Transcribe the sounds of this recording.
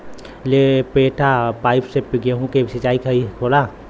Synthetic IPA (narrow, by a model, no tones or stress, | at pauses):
lepeːʈʰapaːɪpsepɪɡeɦũkesɪt͡ʃaːikʰɐikʰoːlaː